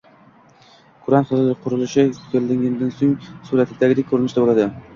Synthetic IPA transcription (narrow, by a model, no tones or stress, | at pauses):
kʰʊɾanχɨzlɪqʰʊɾɪlɪʃɪkʲʰeld̪ɪŋʲɪnd̪ansoŋsuɾat̪ʰɪd̪aɡʲɪd̪ekʰɵɾɪnɪʃt̪abolad̪ɪ